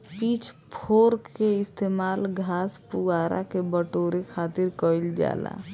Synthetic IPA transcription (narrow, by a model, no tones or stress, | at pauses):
pit͡ʃʰpʰoɾkːeɪst̪emaːlɡʱaspuɡaɾʔa̰kebəʈoɾekʰat̪iɾkəild͡ʒa̰la̰